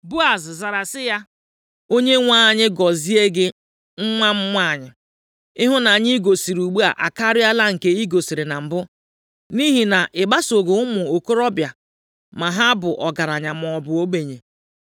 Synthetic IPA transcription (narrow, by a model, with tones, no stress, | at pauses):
bu˦a˨zza˨ɾa˨sɪ˦ja˦ | o˦ɲe˦ŋʷa˦a˨ɲɪ˦ɡɔ˨zi˦e˦ɡɪ˦ | ŋ̩˦ŋʷa˦m̩˦ŋʷ˦a˦˨ɲɪ˨ | ɪ˦ɦʊ˦na˨ɲɪ˦ɡo˨si˨ɾu˨ɡ͡bu˦a̰˨ʔa̰˨ka˦ɾɪ˦a˦la˦ŋ̩˨ke˦i˦ɡo˨si˨ɾɪ˨na˨m̩˨bʊ˦ | ni˦ɦi˨na˨ʔɪ˨ba˦so˨ɡo˨ʊ˦mʊ˨o˨ko˦ɾɔ˦bja˨ | ma˨ɦa˦bʊ˨ʔɔ˨ɡa˨ɾa˨ɲa˨m˨ɔ˨bʊ˨o˦ɡ͡be˨ɲe˨